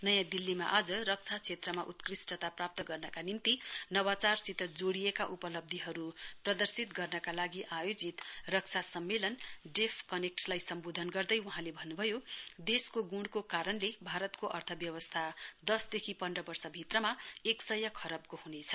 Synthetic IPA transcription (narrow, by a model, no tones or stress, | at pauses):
nʌjãd̪ilːima̰ʔad͡zʌrʌk̚t͡sʰat͡sʰet̪rʌmaʔut̪krisʈʌt̪aprap̚t̪ʌɡʌrnʌkanint̪inʌwat͡sarsit̪ʌd͡zoɽijekaʔupʌlʌb̚d̪ʱiɦʌɾuprʌd̪ʌrsit̪ɡʌrnʌkalaɡiʔajod͡zit̪rʌk̚t͡sʰasʌmːelʌnɖepʰkʌnek̚ʈlajsʌmbod̪ʱʌnɡʌrd̪ʌjuɦãlebʱʌnːubʱʌjod̪eskoɡuɽkokaɾʌnlebʱaɾʌt̪koʔʌrt̪ʰʌbjʌwʌst̪ʰad̪ʌsd̪ekʰipʌnɖʌbʌrsʌbʱit̪rʌmaeksʌjakʰʌɾʌb̚kohunet͡sʰʌ̥